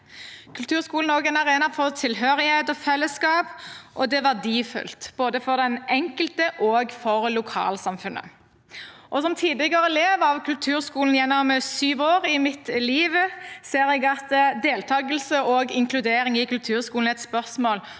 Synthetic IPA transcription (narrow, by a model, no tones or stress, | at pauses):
kʰʉlt̪ʰʉːʁskuːln̩oːɡɛnɑʁeːnɑfɔʁt̪ʰɪlɦøːʁɪheɪt̪ɔfɛlːəskɑːpʔɔd̪ɛʋæʁd̪iːfʉ̰lt̪b̥oːd̪əfɔʁd̪ɛnɛŋkəlt̪əʔoːɡfɔʁlʊkʰɑ̰ːlsɑmfʉnə̰ | ʔɔsɔmt̪ʰiːd̪ɪɡɑɾəleːʋɑʋkʰʉlt̪ʰʉːɾskuːln̩jɛnːɔmsyːʋoːʁɪmɪt̪liːʋəseːɾɛɡɑt̪d̪eːlt̪ʰɑːɡəlsəoɡɪŋkʰlʉd̪eːɾɪŋɪkʉlt̪ʰʉːʁskuːln̩ɛt̪spœʁsmoːl